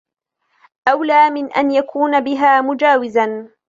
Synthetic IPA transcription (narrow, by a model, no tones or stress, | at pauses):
ʔawlaːmɪnʔa̰njakʰuːnabɪɦaːmʊd͡ʒaːwɪzan